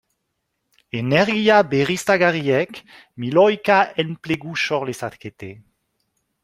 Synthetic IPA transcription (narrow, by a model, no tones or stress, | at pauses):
enɛʁɡiabeʁist̪aɡaʁiɛk | milɔjkaɛnpleɡuʃɔʁlesat̪ket̪e